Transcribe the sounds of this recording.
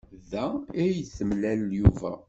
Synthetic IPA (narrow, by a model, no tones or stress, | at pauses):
ðææjəθəmlæljuvæ̰